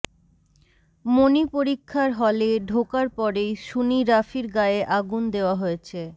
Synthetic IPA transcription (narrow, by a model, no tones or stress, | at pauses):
monipoɾikʰːaɾɦɔleɖʱokaɾpɔɾejʃuniɾafiɾɡaeʔaɡund̪eoaɦoet͡ɕʰe